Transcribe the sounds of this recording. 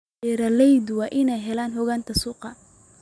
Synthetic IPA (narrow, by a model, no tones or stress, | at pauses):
ɛɾɐlɛjd̪wɑːʔɪnɛjɦɛlaːnhɔɣaːnt̪ʰɐsuːqɑ